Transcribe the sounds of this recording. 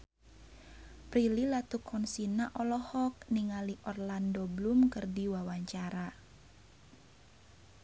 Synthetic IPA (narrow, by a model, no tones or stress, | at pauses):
pɾililat̪ukʰɔnsinaʔɔlɔhɔk̚niŋaliʔɔrlandoblumkərdiwawaɲt͡ʃaɾa